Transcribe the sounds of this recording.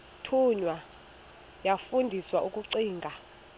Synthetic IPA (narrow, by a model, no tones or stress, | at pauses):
tʰuɲwa | jafundʱiswaʔukʼuǀiːŋɡʱa